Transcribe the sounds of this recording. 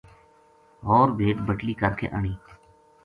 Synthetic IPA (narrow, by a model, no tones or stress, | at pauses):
ɦɔːɾbʱeːʈbəʈliːkəɾkʰḛːʔəɳiː